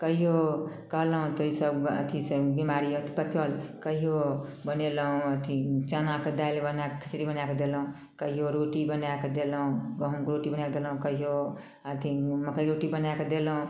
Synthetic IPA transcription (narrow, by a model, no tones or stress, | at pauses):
kəɦijokəɦlɦũt̪əisəbə̰t̪ʰisəbimaɾiət̪ʰi̥pət͡ʃəlkəɦijobəneləɦũət̪ʰit͡ʃənaked̪ajlbənakekʰə̥sɾibənaked̪elɦũ | kəɦijoɾoʈibənaked̪eləɦũɡəɦũkɾoʈibənjaked̪elɦũkəɦijo | ət̪ʰiməkəiɾoʈibənaked̪eləɦũ